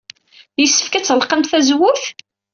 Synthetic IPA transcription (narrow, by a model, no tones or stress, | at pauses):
jəsːə̥fkæt͡sːəlqəmθæzwʊθ